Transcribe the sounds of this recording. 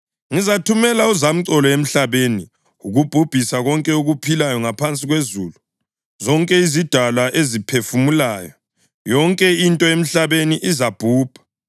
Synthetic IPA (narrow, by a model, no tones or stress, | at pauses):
ŋizatʰumɛlauzam̩ǀɔlɔem̩ɬaβeni | uɣub̥ʱub̥ʱisaɣɔŋkʼɛuɣupʰilajɔŋapʰant͡sʼiɣwezuːlu | zɔŋkʼɛizid̥ʱalaʔezipʰefumulaːjɔ | jɔŋkʼɛintʼɔem̩ɬaβeniʔizab̥ʱuːb̥ʱḁ